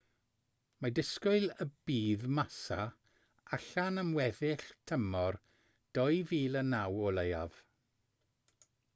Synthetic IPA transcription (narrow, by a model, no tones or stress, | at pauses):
madɪskʊɨləb̥iːðmasa | aɬanəmwɛðɪɬtʰəmɔr | d̥ɔjviːlˠənawɔlejav̥